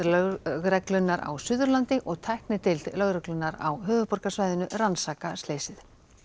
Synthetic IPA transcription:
lɣɾɛklʏnːaɾa̰wsʏðʏɾlant̪ɪʔɔɣt̪ʰajhknɪt̪ʰɪllœɣɾɛklʏnːaɾa̰wɦʏːvʏpɔr̥kasvaːjðɪnʏransaːkast̪leːjsɪð

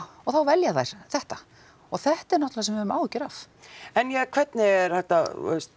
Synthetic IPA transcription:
ɔɣθawvɛljaθajɾ̥θɛht̪a | ɔɣθɛht̪ɛɾnɔht̪lasɛmvɪvɾma̰ːwɛhcːɪɾaf | ɛnjɛkʰvɛt̪nɪɛɾ̥hajht̪ast̪

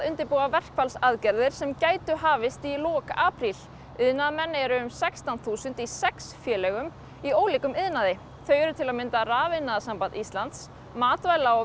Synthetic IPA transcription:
ʏnt̪ɪɾpoːwavɛr̥kfalsaðcɛɾðɪɾ̥sɛmcaːjt̪ʏɦaːvɪst̪ilɔːkaːpɾil | ɪðnaðmɛnːɛɾʏʏmsɛkst̪awnθuːsʏnt̪isɛksfjɛːlɛɣʏm | ioːwliːkʏmɪðnaðɪ | θœːɥɛɾʏt̪ʰɪlaðmɪnt̪araːvɪnːaðasampant̪ist̪lant̪s | maːt̪vaːjlaɔ

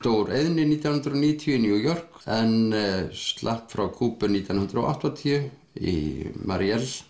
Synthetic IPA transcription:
t̪oːwɾeðnɪniːt̪janhʏnɾɔniːjt̪ʰjʏnjuːjɔr̥kɛnst̪lʔahpfɾawkʰuːpʏniːt̪janhʏnd̪ɾo̰wa̰ht̪at̪ʰiʏ | ḭma̰ɾjɛl

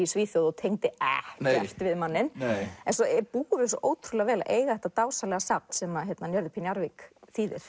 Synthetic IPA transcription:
isviːθjowðɔt̪ʰejŋt̪ɪɛ̰ht̪ɛft̪vɪðmanːɪnɛnsɔpuːɣʏvɪsɔʔoːwt̪ʰɾulɛɣavɛːla̰ʔeːjɣaðɛht̪at̪aːwsalɛɣasawt̪sɛmaðçjɛt̪nanjœɾðɪpʰinjaɾvɪkθiːðɪ̰ɾ̥

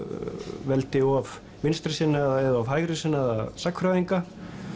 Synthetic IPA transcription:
vɛlt̪ɪɔv | mɪnst̪ɾɪsɪnːaðaɛðaavɦajɣɾɪsɪnːaða̰ðsakʰfɾaðiŋka

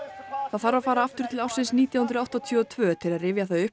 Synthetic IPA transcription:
θaðθaɾafaːɾaaft̪ʏɾ̥t̪ʰɪlaw̥sɪnsniːt̪jawhʏnɾawht̪ɔt̪ʰjœːɔt̪ʰvœːt̪ʰɪlaðrɪːvjaθœɥʏhp

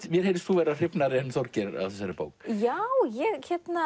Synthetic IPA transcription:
mjɛɾ̥heːɾɪst̪θuvɛːɾar̥ɪpnaɾɪɛnθɔɾcɪɾa̰ðθɛsːaɾɪpo̰wkjawjɛɣçɛt̪na

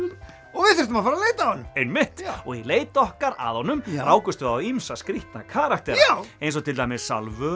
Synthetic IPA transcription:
ɔɣvɪðθɪɾ̥t̪ʏmafaːɾaleːjt̪aɔnmejnmɪht̪ɔɣileːjt̪ɔhkaɾa̰ðhɔnʏmraːwkʏst̪vʏawimsaskɾiht̪nakʰaːɾakt̪ɛɾejnsɔt̪ʰɪlt̪ajmɪssa̰lvʏ

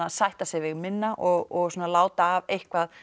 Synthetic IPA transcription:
aðsajht̪asɛvɪɣmɪnːaʔɔɣɔɣsoːnalaːwt̪aːvejhkvað

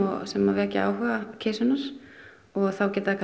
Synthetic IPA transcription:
ɔsɛmavɛca̰a̰wɦœɣacʰeːsʏnːaɾ̥ | ɔɣθawcɛːt̪aðakʰa

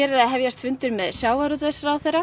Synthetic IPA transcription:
ɛɾɪɾaðɦɛvjast̪fʏnt̪ʏɾmɛðsjaːwaɾɔt̪vɛsɾawθɛjɾa

